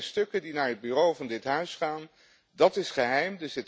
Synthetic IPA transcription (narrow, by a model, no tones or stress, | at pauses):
stɵkədinaːɹɦəd̚byrowvɑndɪtɦœɥsχaːn | dɑtɪsχəɦɛjmdəsɪt